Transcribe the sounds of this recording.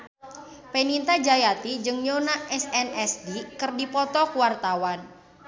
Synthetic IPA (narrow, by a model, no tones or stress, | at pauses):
penint̪ad͡ʒajat̪id͡ʒɨŋɲonaʔɛsɛnɛsdikərdipɔt̪ɔkuwart̪awan